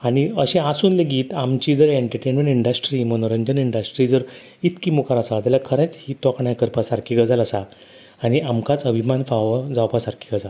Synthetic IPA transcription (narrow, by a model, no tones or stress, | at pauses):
aɽ̃iəɕẽasuːnleɡiːt̪amt͡ɕiːd͡zəɾeɳʈəɾʈenmẽɳʈiɳɖəsʈɾimənoɾəɲd͡ʑəniɳɖəsʈɾiːd͡zəɾ | it̪kimukaɾasad͡z̪alakʰəɾẽt͡shiːt̪ɔkɳãjkəɾpasaɾkʰiːɡəd͡zaləsa | aɽ̃iʔamkat͡səbʱimanfaʋad͡zawpasaɾkʰi̥ɡəd͡za